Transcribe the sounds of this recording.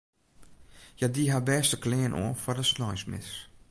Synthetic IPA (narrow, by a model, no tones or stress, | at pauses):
jadiɦabɛstəklɛːnʔɔ̰ːfɔdəsnɔjsmɪ̰s